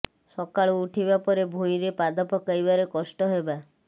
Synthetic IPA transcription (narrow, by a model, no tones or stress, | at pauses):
sɔkaɭuuʈʰibapɔɾebʱũj̃ɾepad̪ɔpʰɔkajbaɾekɔsʈɔɦeba